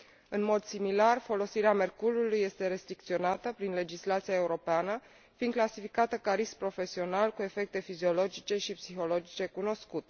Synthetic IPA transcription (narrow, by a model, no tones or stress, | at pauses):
ɨnmo̞d̪similarfo̞lo̞siɾeame̞rkululujːe̞st̪e̞ɾe̞st̪ɾik̚t̪sio̞nat̪əpɾinle̞d͡ʒislat̪sijae̞uɾo̞peanə | find̪klasifikat̪əkaɾispɾo̞fe̞sio̞nalkue̞fe̞k̚t̪e̞fizio̞lo̞d͡ʒit͡ʃe̞ʃipsixo̞lo̞d͡ʒit͡ʃe̞kuno̞skut̪e